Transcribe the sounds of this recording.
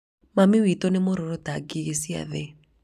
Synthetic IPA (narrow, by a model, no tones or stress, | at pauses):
mamiwitɔnemoɾoɾotaɡiɣesia̰ðɛ